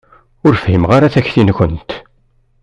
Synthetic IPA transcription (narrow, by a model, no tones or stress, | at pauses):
ʊɾfhimʁaɾaθæçːθinkʷənt̪